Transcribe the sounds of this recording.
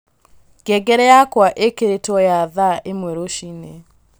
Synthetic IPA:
ɡ̥ɛɡɛɾɛjakwaʔekeɾetwɔjaðaʔemwɛɾoʃine

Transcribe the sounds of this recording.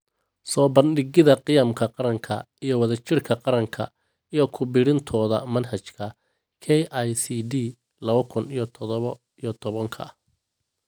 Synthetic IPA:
sɔːbɐnɖɪɣɪðɐqɪjamkʰɐqɑɾɐŋkʰɐ | ijɞwɑðɐt͡ʃʰɪrkʰɐqɑɾɐŋkʰɐ | ijɞkʰʊbɪɽɪnt̪ʰɔːðɐmɐnɦɐt͡ʃkʰɐ | kʰɛjʔajsid̪i | lɐβɐkʰʊnijɞt̪ʰɔðɔβɔ | ijɞt̪ʰɔβɐŋkʰɐ̰

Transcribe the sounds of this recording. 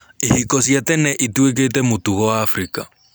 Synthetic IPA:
ihikɔsjatɛnɛʔituek̬etɛmotuɣɔaːfɾika

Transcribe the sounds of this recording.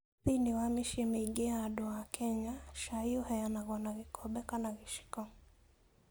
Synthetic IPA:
θiniwamiʃimɛiɡɛaːɗɔakʰɛɲaʃaiɔhɛjanaɣanaɣikʰɔɓɛkanaɣiʃi̥kɔ

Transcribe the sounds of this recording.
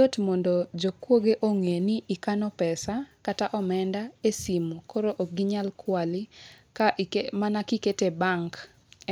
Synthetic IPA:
otmɔndɔd͡ʒokwoɡeʔoŋeniikanɔpɛsakataʔɔmɛndaesimokoɾoʔoɡɪɲalkwalɪkaʔmanakiketebaŋk

